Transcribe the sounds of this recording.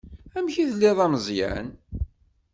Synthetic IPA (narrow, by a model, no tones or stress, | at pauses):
æmçiðlːiðˤɑmzˤjæ̰n